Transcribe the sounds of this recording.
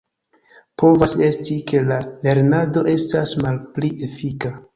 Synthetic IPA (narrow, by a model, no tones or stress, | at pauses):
po̞vase̞stike̞lale̞ɾnado̞ʔe̞stasmalpliʔe̞fika